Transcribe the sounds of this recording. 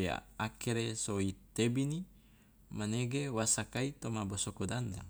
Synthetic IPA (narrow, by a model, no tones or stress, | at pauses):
akeɾesoit̪ebini | maneɡewasakait̪omabosokodanda̰ŋ